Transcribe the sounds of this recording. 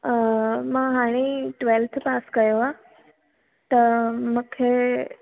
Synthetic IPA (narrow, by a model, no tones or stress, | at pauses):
mãːɦaːɽ̃eʈʋelt̪ʰpaːskɐjoaː | t̪ɐmũkʰeː